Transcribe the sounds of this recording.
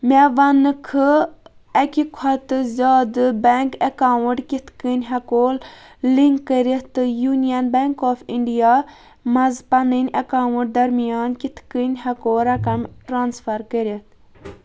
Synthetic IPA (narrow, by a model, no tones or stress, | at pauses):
mʲeʋɐnɨkʰɨ | ɐkʲikʰɐt̪ɨzʲaːd̪ɨbɛŋkɐkaːwɨʈkit̪ʰkənʲɦɐkoːl | liŋkːəɾʲit̪ɨjunijɐnbeŋkoːfiɳɖijaː | mɐzpɐnɨnʲɐkaːwɨʈ̚d̪ɐɾmijaːnkit̪ʰkənʲɦɐkoːɾɐkɐmʈɾaːnsfɐɾkəɾʲit̪